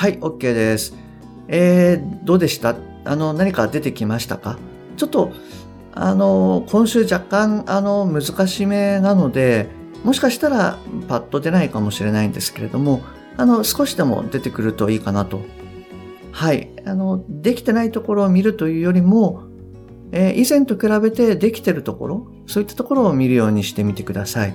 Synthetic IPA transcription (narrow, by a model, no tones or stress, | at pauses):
haio̞kːe̞ːd̪e̞sɨ̥ | eːd̪o̞ːd̪e̞ɕi̥t̪a | a̰no̞naɲ̟ikad̪e̞t̪e̞kʲimaɕi̥t̪a̰ka̰ | t͡ɕo̞t̪ːo̞ | a̰no̞kʰõ̞ɰ̃ɕɨːʑakːãɴano̞mɯ̟zɨkaɕime̞nano̞d̪e̞ | mo̞ɕi̥kaɕi̥t̪aɾapat̪ːo̞d̪e̞naikamo̞ɕiɾe̞naĩnd̪e̞sɨ̥ke̞ɾe̞d̪o̞mo̞ | ano̞sɨ̥ko̞ɕi̥d̪e̞mo̞̰d̪e̞t̪e̞kɯ̟ɾɯ̟t̪o̞iːkanat̪o̞ | haiano̞d̪e̞kʲi̥t̪e̞nait̪o̞ko̞ɾo̞ːmʲiɾɯ̟t̪o̞jɯ̟ːjo̞ɾʲimo̞ | eʔizẽ̞nt̪okɯ̟ɾabe̞t̪e̞d̪e̞kʲi̥t̪e̞ɾɯ̟t̪o̞ko̞̰ɾo̞ | soːit̪ːḁt̪o̞ko̞ɾo̞ːmʲiɾɯ̟jo̞ːɲ̟iɕi̥t̪e̞mʲit̪e̞kɯ̟d̪asai